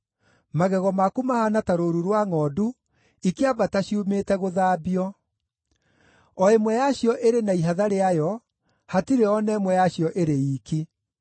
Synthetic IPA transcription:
maɣɛɣɔmakumahanataɾoɾuɾwaŋɔːdu | ikeabataɕiumetɛɣoðaːbiɔ | ɔemwɛjaɕjɔʔeɾenaiɦaðaɾeajɔ | hatiɾeɔnɛmwɛjaɕjɔʔeɾeiːki

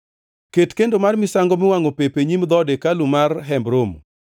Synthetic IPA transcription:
ketkendomarmɪsaŋɡɔmɪwaŋopepeɲimd̪ɔdekalumarɦɛmbɾom

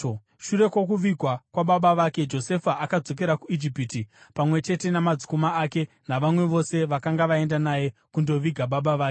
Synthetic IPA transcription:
ʃuɾe̞kwo̞k̬uʋiɡʱwakwaɓaɓaʋake̞d͡ʒo̞se̞faakad͡zo̞k̬e̞ɾakuid͡ʒipitipamwe̞t͡ʃe̞te̞namad͡zukomaaːke̞ | naʋamwe̞ʋo̞se̞ʋakaŋɡaʋae̞ndanaje̞kundo̞ʋiɡʱaɓaɓaʋaːke

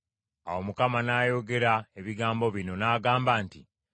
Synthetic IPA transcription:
a̰wo̞mukamanaːjo̞ɡe̞ɾaeβiɡaːmbo̞βino̞naːɡaːmbaːntḭ

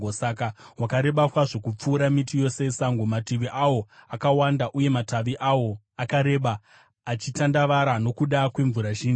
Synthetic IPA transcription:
sakaɦwakaɾe̞ɓakwaʐokup͡fuːɾamitijo̞se̞saŋɡomatiʋiʔawo̞akawandaʔuje̞mataʋiʔawo̞ | akaɾe̞ɓaː | t͡ʃitandaʋaɾano̞kuɗakwe̞ɱvuɾaʒiːnu

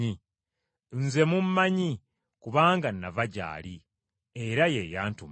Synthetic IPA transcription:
i | nze̞mumːaɲi | kuβaːŋɡanːavaɟa̰ːli | eɾajejaːntum

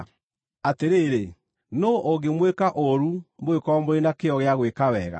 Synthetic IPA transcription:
ateɾeːɾe | noʔoɡemwekaʔoɾumoekɔɔmoɾenakeɔɣeaɣwekawɛɣa̰

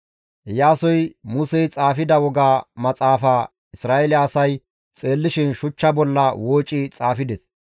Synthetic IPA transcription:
jaːsɔjmʊsɛjt͡sʼaːfɪd̪ɐwɔɡaːmɐt͡sʼaːfaː | ɪsɾaːʔelɛɐsɐj | t͡sʼeːlːɪʃɪnʃʊt͡ʃːɐbɔlːɐwoːt͡ʃʼːɪt͡sʼaːfɪd̪ɛs

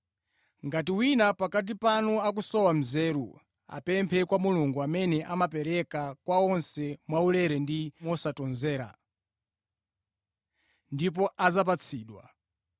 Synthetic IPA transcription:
ŋɡatiwinapakat̬ipanɔak̬usɔwam̩zɛːɾṵ | a̰pɛmpʰɛkwamuluŋɡuamɛnɛʔamapɛɾɛkakwaɔnsɛmwaulɛɾɛndimɔsatɔnzɛːɾa̰ | ndip̬ɔʔazap̬at͡sʰiːɗwa̰

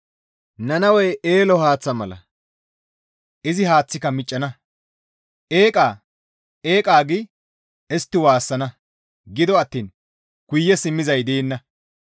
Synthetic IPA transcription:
nɐnɐwɛjʔeːlɔhaːt͡sːɐmɐlɐ̰ | ʔɪzɪhaːt͡sːɪkɐmɪt͡ʃʼːɐnɐ | ʔeːkʼaː | ʔeːkʼaːɡɪ | ɛst̪ːɪwaːsːɐnɐ | ɡɪd̪ɔɐt̪ːiːn | kʊjːɛsɪmːɪzɐjd̪eːnːɐ

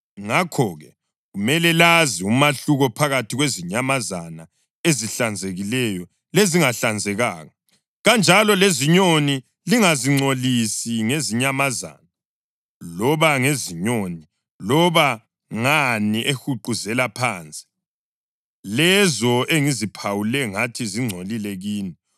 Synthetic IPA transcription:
ŋakʰɔːɣɛ | ɣumɛlɛlaziumaɬuɣɔpʰaɣatʰiɣweziɲamazana | eziɬand͡zʱeɣilɛjɔ | leziŋaɬand͡zʱɛɣaːɣɔ | ɣand͡ʒʱalɔleziɲoni | liŋaziŋ͡ǀolisiŋeziɲamaza̰na | lɔβaŋeziɲoni | lɔβa | ŋaniʔexuǃuzɛlapʰaːnt͡sʼi̥ | lɛzɔeŋizipʰawulɛŋatʰiziŋ͡ǀʱolilɛɣiːni

